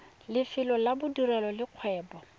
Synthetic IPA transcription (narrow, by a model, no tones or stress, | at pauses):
lɪfɪlɔlabʊdurɛlɔlɪq͡χʰwɛːpɔ